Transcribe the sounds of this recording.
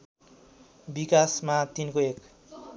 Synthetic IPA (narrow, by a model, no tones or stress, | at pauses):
bikasmat̪inkoek